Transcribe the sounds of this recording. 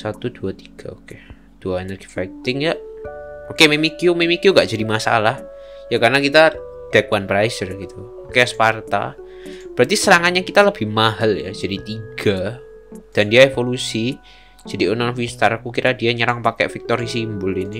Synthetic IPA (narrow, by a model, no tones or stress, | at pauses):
sat̪uduat̪iɡ̥aoke | d̥uaenərɡ̥i̥fajk̚t̪ɪŋja | okememikiumemikiuŋɡaʔd͡ʒadimasa̰lahjakarnakit̪a | d̥ɛkwanpɾajsərɡit̪u | okeasə̥part̪a̰ | b̥əɾat̪isəɾaŋaɲakit̪aləb̥ihmaɦalja̰d͡ʒadit̪iɡ̥a | d̥andiaefolusi | d͡ʒadiunaŋfist̪aɾkukiɾʔadiaɲəɾaŋpakɛ̰ʔfɪk̚t̪oɾisimbʊlini